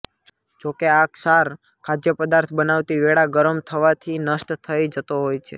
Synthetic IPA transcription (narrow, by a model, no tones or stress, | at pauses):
d͡ʒokeaksaɾ | kʰad͡ʒ̪jəpəd̪aɾt̪ʰbənaʋt̪iʋeɽaɡəɾəmt̪ʰəʋat̪ʰinəsʈt̪ʰəid͡ʒət̪oɦojt͡ʃʰḛ